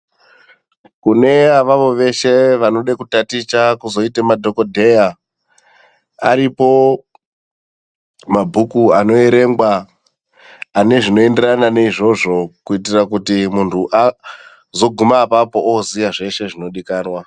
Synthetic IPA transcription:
kune̞aʋaʋo̞ʋe̞ʃe̞ʋano̞ɗekutatit͡ʃakuzo̞itemadʱo̞ko̞dʱe̞ja | aɾipo̞ | mabʱukuano̞eɾe̞ŋɡwa | ne̞ʐino̞e̞nde̞rananeiʐo̞ʐo̞kuitirak̬utimuntʰuʔa | zo̞ɡʱumapapo̞ʔoziaʐe̞ʃe̞ʐino̞ɗikaːnwa

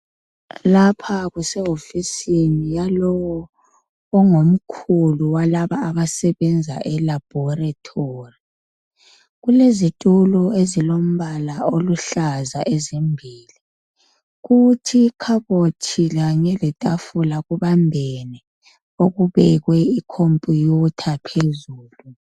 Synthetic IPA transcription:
lapʰaɣusɛɦofisinijalɔwɔː | ŋom̩kʰuluwalaβaːβasɛβɛnd͡zʱa̰ʔɛlab̥ʱɔratʰori | ɣulezitʼulɔezilom̩βalaoluɬazaʔɛzimbʱiːli | ɣutʰikʰaβotʰiɣaɲɛlɛtʼafulaɣuβambʱɛnɛ | oɣuβɛɣwɛikʰompʼijutʰapʰezuːlu

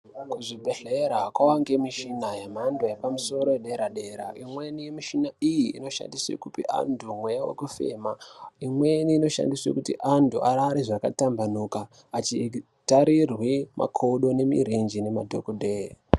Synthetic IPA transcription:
kuʐibʱe̞ɬeɾakwawaŋɡemiʃinajem̤andojepamuso̞ɾo̞eɗeɾaɗe̞ɾa̰ʔimwe̞nijemiʃinaijḭːno̞ʃa̰ndiswḛkupia̰ndʰʱumwejawo̰kufḛːmaimwe̞niːno̞ʃa̰ndiswekutḭʔantʰuaɾaːɾiʐakatambanukaː | t͡ʃi | taɾirwimʔa̰kʰoɗo̞ne̞mḭɾind͡ʒine̞madʱo̰kodʱeːri

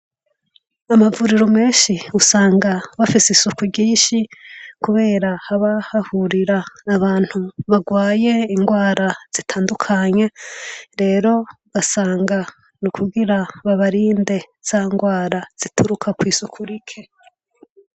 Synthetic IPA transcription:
amavuɾiɾome̞ːnʃiusaːŋɡaβafisisukuɟiːnʃikuβe̞ːɾahaβahahuɾiɾaːβaːn̥huβaɡwaːje̞iŋɡwaːɾʔaz̥itʰaːndukʰaɲe̞ɾe̞ːɾo̞ | ɡ̥asaːŋɡa | nukʰuɡiɾaβaβaɾiːnde̞ | z̥aːŋɡwaːɾaz̥itʰuɾukʰakwiːsukʰuɾikʰe̞

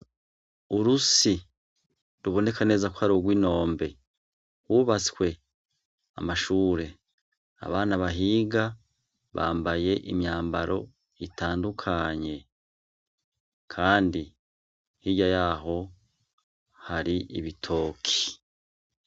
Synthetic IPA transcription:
uɾusi | ɾuβo̞ne̞kʰane̞ːzaku̥haɾoɡwiːno̞ːmbe | huβat͡skwe̞ | a̰maʃuːɾe̞ | a̰βaːnaβaɦiːɡa | βa̰ːmbaje̞ʔimjaːmbaɾo̞̰ | itʰaːndukʰaɲe̞ | kʰaːndi | hijajaːɦo̞ | haɾiḭβitʰo̞ːkʰi̥

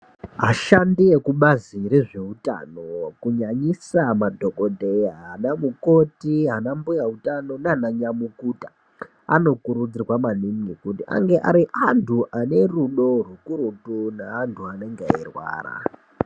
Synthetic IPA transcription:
ɦaʃandiekuɓaziɾe̞ʐe̞uta̰no̞kuɲaɲisamadʱo̞ko̞teɦanamukotiɦanambujautano̞naanaɲamukuːtḁ | a̰no̞kuɾud͡zirwamaniŋɡikutiʔa̰ŋɡe̞ʔa̰ɾiʔantʰuʔane̞ruɗo̞rukuɾutunaantʰuane̞ŋɡeairwa̰ːra̰

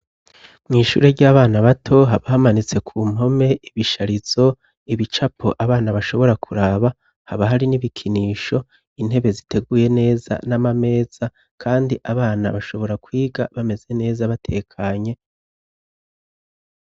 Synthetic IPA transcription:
mŋiːʃṵːɾeɟaːβaːnaβatʰo̞ɦaβahamanit͡se̞kʰuːm̥ɦo̞me̞ʔiβiʃaɾiz̥o̞ | iβit͡ʃapʰoʔaβaːnaβaʃo̞βo̞ɾakʰuɾaːβa | haβaɦaɾiniβikʰiniːʃo̞ | inhe̞βe̞zitʰe̞ɡuje̞ne̞ːza̰namame̞ːz̥a | kʰaːndiʔaβaːna̰βaʃo̞βo̞ɾakwiːɡa̰βame̞ze̞ne̞ːzaβatʰe̞ːkʰaɲe̞

